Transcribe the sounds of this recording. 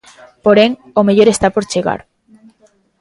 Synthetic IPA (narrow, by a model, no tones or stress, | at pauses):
poɾeŋ | omeʎoɾest̪apoɾt͡ʃeɣa̰ɾ